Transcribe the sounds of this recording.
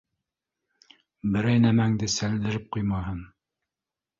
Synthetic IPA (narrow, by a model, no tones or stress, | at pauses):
bɘ̆ɾæjnæmæŋd̪ɘsæld̪ɘ̆ɾɘp̚qujmɑɦɤn